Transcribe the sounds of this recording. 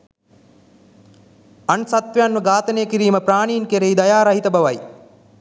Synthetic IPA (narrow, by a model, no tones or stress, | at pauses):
ɐnsat̪ʋɐjanʋəɡaːt̪ɐənejəkiɾiːməpɾaːɳiːnkeɾejd̪ɐjaːɾɐɦit̪ɐbɐʋɐj